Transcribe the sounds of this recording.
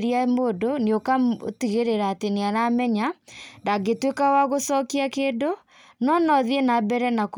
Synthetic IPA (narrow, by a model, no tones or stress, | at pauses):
ɾiamodoniokaotiɣeɾeɾaːteneaɾamɛɲandaɡetwekawaɣosɔkiakeːndo | nɔnɔðienabɛɾɛnak